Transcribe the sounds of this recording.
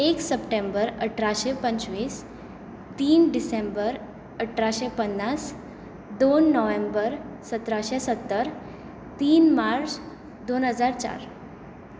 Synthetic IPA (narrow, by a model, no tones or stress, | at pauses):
eksəpʈẽmbəɾəʈʰɾaɕepəɲt͡ɕʋis | t̪iːnɖisembəɾ | əʈʰɾaɕepənːas | d̪onːəʋembəɾsət̪ɾaɕesət̪ːəɾ | t̪iːnmaɾt͡s | d̪onɦəd͡zaɾt͡ɕa̰ɾ